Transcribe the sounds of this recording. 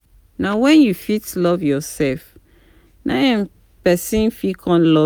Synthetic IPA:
nawɛ̃njufitlɔvjɔsɛlf | nʔaɛ̃n | pɛsĩnfikʰɔ̃nlɔ

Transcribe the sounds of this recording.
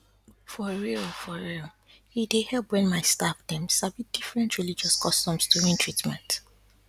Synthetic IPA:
fɔɹifɔɹil | hidehɛlˠpwɛ̃nmaɪstafdɛ̃msabmit̚d̥ifɹɛ̃ntɹilid͡ʒɔskʰɔstɔ̃mstʰuĩntʰɹitmɛ̰̃nt

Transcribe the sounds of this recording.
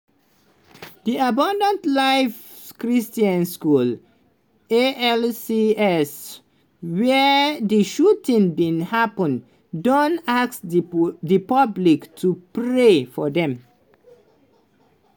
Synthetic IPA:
d̪iabãndə̃ntlaɪf | kɹistiãnskul | eɛlsiɛs | wɛd̪iʃutĩŋbĩnhapə̃n | dɔ̃nasd̪ipʌbliktʰupɾefɔd̪ɛ̃m

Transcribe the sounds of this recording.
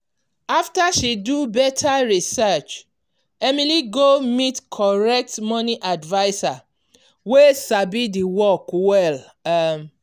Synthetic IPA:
aftaʃidubɛtʰaɹisɛt͡ʃ | ɛmiliɡomitkʰɔɹɛk̚tmɔ̃nĩʔadvaɪsa | wesabidiwɔkwɛl

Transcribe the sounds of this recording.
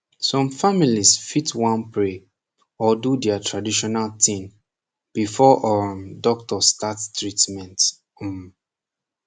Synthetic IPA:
sɔ̃mfamilisfitwɔ̃npɹe | ɔdudɛatʰɹadiʃɔnaltĩn | b̥ifɔʔɔdɔk̚tɔstatstɹitmɛ̃nt̩ | m

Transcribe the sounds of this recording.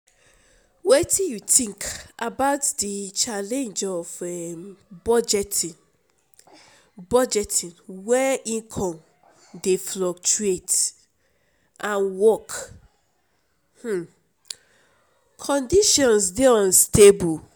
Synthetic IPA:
wetʰĩjutĩŋkabaʊtdit͡ʃalɛ̃nd͡ʒɔvɛmbɔd͡ʒɛtin | bɔd͡ʒɛtʰĩnwɛʔĩnkʰɔ̃m | deflɔk̚t͡ʃuet | ʔãnwɔk | h̩ | kʰɔ̃ndiʃɔ̃nsdeɔ̃nstebul

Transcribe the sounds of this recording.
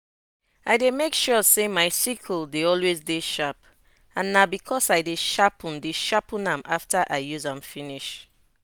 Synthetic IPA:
aɪdemekʃɔsemaɪsikʰldeɔlwezdeʃap | ãnːabikʰɔsaɪdeʃapʰɔ̃ndeʃapʰɔ̃nãmʔaftaʔaɪjuzãmfiniʃ

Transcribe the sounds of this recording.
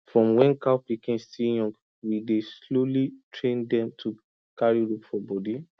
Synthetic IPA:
fɹɔ̃mwɛ̃nkapikĩnstijɔ̃ŋɡ | wideslolitʰɹẽndɛ̃mtʰu | kʰaɹiɹupfɔbɔdi

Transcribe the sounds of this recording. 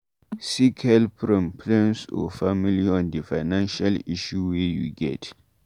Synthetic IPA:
sikhɛlpʰɹɔ̃mpʰlɛ̃nsɔ̰familiɔ̃ndəfaɪnãnʃaliʃuwejuɡɛ̰t

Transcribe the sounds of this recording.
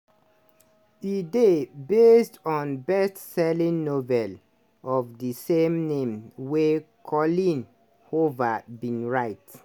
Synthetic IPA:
idebestɔ̃nbɛstsɛlĩnnovɛl | ɔvdisemnẽmwe | kʰɔlĩn | hovabĩnɹaɪt

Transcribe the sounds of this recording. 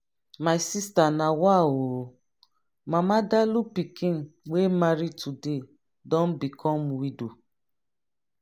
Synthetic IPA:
majsistanawawoɾo | mamadalupikiŋ̩wemaɾitude | dɔn̩bikʰɔmwido

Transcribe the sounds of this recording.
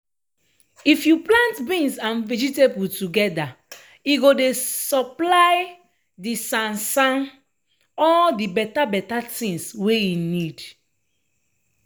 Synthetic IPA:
ifjuplãntbĩnsãnvɛd͡ʒitebutuɡɛda | iɡodesɔplaɪ | disãnsãn | ɔldibɛtabɛtatĩŋsweinid

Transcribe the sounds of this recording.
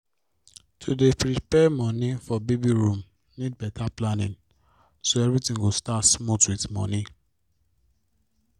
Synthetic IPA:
tʰudepɾipɛmɔ̃nifɔbebiɹũm | nid̚bɛtaplanĩn | soɛvɹitĩŋɡostatsmutwiθmɔ̰̃ni

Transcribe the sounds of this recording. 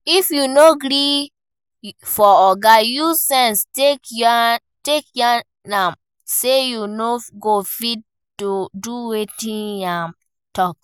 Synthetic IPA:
ifjunoɡɾi | fɔɔɡajusɛ̃nsteka | tekja | nãm | sejunoɡofid̚ | tuduwetĩnam | tɔk̚

